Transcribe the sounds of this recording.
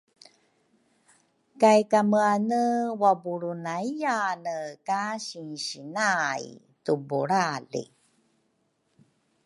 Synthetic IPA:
kajkaməanəwabuɾunaijanəkaɕinɕinaj | tubṵɾalḭ

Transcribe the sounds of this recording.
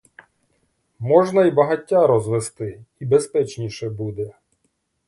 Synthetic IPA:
mɔʒnɐibɐɦɐtʲːaɾɔzʋest̪ɪibespɛt͡ʃnʲiʃɛbud̪ɛ

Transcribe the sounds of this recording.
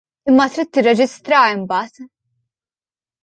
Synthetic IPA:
ɪmːɐt̪ɾiːt̪ːɪrːɛd͡ʒɪst̪ɾɐɪmbɐːt̪

